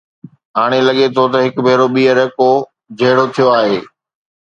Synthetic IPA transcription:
ɦaːɽ̃elɐɠet̪ʰot̪ɐɦɪkbʱeːɾoɓiːəɾəko | d͡ʑʱɐɦːɪɽot̪ʰijoaːɦeː

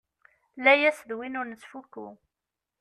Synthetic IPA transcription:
læjæsðwinʊɾnət͡sːfukːṵ

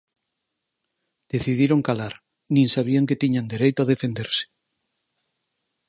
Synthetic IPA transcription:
d̪̥eθiðiɾoŋkalaɾ | nĩŋsaβ̞iaŋket̪iɲand̪eɾejt̪oaðefend̪eɾse̥

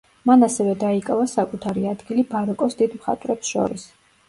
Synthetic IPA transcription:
manasɛvɛd̪aikʼavasakʼut̪ʰaɾiad̪ɡilibaɾɔkʼɔsd̪id̪mχa̰t̪ʼvɾɛpsʃɔ̰ɾis

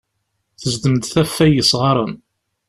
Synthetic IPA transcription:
θəzd̪əmd̪θæfːæjəsʁɑɾˤən

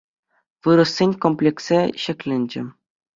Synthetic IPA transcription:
ʋɯɾɤ̆sʲːenʲkomplʲekseɕɘ̆kʲlʲɘ̆nʲd͡ʑɘ̆

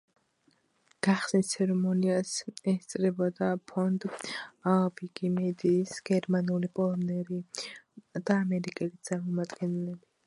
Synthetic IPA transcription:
ɡ̥aχsnit̪sʰɛɾɛmɔniasɛst̪sʼɾɛbɔd̪apʰɔnd̪aviɡimɛd̪iːsɡ̥ɛɾmanulipʼɔlˠɔmnɛɾi | d̪̥aːmɛɾikʼɛlit̪sʼaɾmɔmad̪ɡɛnlɛbi

